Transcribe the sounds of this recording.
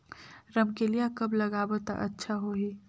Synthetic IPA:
ɾɐmkelijakɐblɐɡaːbət̪a̰ʔɐtːʃʰaɦoːɦiː

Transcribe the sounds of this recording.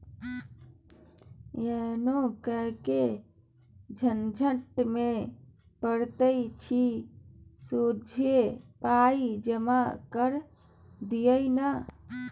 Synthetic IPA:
jenokəɦke | d͡ʒʱənd͡ʒʱəʈme | pəɾt̪əjt͡ʃʰi | sod͡ʒʱjepaid͡ʒəmakəɾ | d̪ijəna

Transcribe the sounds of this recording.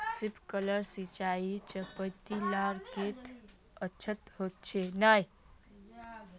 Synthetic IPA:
sɪpkələɾsit͡ʃait͡ʃəpət̪ːilaɡket̪ | ətːt͡ʃʰət̪ɦot̪̚t͡ʃʰenaj

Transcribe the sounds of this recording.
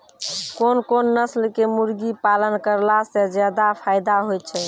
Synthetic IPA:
konkonːəslkemuɾɡipalənkəɾlased͡ʒjad̪apʰajd̪aɦojt͡ʃʰɛ

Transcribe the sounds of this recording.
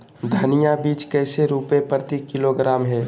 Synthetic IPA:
d̪ʱɐnijabiːt͡ʃkɛːseɾuːpepəɾt̪ikɪloɡɾaːmɦɛː

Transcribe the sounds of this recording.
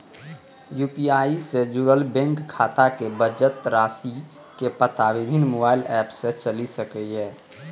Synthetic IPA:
juːpiaːised͡ʒuːɾəlbɛ̃ŋkkʰːaːt̪akebəd͡ʒət̪ɾaːsi | kepət̪aʋɪbʱɪnːmoːbaːɪlɛːpset͡ʃəlisəkɛɦɛː

